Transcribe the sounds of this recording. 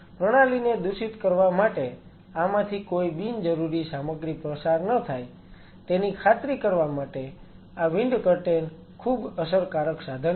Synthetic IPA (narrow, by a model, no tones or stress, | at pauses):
pɾəɽ̃alined̪uʃit̪kəɾʋamaʈe | amãt̪ʰikoibind͡ʒəɾuɾisaməɡɾipɾəsaɾnət̪ʰaj | t̪enikʰat̪ɾikəɾʋamaʈe | aʋɪɳɖkəɾʈen | kʰubəsəɾkaɾəksad̪ʱən